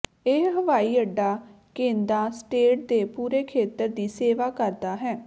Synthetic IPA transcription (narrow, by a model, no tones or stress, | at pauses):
eːɦəʋaːiːəɖːaː | kẽːnd̪ãːsʈeːʈ̚d̪eːpuːɾeːkʰeːt̪əɾd̪iːseːʋaːkəɾd̪aːɦɛː